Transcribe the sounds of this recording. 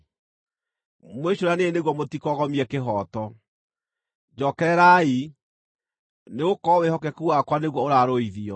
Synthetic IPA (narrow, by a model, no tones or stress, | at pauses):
mweɕoɾaneneɣwɔmotikɔɣɔmiɛkeɦɔːtɔ | d͡ʑɔkɛɾɛɾai | neɣokɔwehɔk̬ɛkuwakwaneɣwɔoɾaɾoiðiɔ